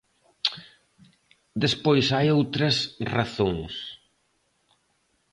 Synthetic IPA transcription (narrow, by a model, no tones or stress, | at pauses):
d̪espojsajowt̪ɾɐsraθõŋs